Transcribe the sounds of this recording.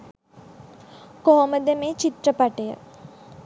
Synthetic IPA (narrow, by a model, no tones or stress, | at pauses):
koɦoməd̪emet͡ʃit̪rəpaʈejə̰